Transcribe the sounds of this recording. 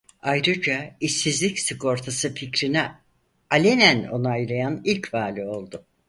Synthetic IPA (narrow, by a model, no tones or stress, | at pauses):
ajɾɯd͡ʒaisːizlʲicsɯko̞ɾt̪ʰasɯficɾinɛ | alʲenæno̞̰najɾajanilʲcvaːlʲio̞lˠd̪ʊ